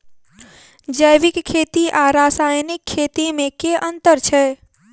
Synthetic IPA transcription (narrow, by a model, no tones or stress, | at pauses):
d͡ʒəjʋɪkkʰːeːt̪iʔaɾaːsaːjnɪkʰːeːt̪imẽkeʔə̃nt̪əɾt͡ʃʰɛ